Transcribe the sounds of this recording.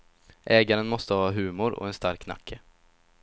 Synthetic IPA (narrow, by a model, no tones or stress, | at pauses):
ʔɛːɡaɾənmɔst̪əhɑːaɦʉ̟ːmʊɾɔ̰ɛnst̪aɾkːna̰kʰːə